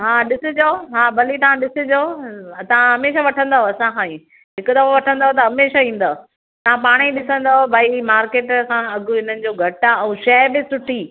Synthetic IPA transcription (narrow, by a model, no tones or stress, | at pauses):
ɦaːɗɪsɪd͡ʑoːɦaːbɐlit̪ɐʋãɗɪsɪ̃d͡ʑot̪ɐʋ̤ãɦɐmeːʃaʋɐʈʰə̃nd̪aːɦoɐsãxãːĩ | ɦɪkʊd̪ɐfaʋɐʈʰə̃nd̪aːɦot̪̬ɐɦɐmeːʃaĩːn̆d̪a | t̪ɐʋ̤ãpaːɽ̃iɗɪsə̃nd̪aːɦobʱaːimaːɾkeːʈsãɐɡʊɪn̤ənɪ̆d͡ʑoːɡʱɐʈɛ̃ːʃɐbɪsʊʈʰiː